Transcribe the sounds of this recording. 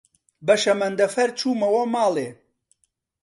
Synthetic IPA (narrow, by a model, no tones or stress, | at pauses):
bɐʃɐmɐnd̪ɐfɐɾt͡ʃʰuːmɐwɐmaːleː